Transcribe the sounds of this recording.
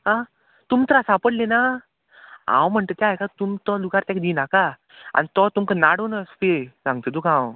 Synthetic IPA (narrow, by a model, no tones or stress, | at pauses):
ɦã | t̪umt̪əɾasapəɽlena | ã̰wm̤əɳt̪ət̪jaɦjkat̪umt̪ɔluɡaɾt̪jãkd̪inaka | a̰nit̪ɔt̪umkənaɽonəsp̪esãŋɡ̚t̪əd̪ukãw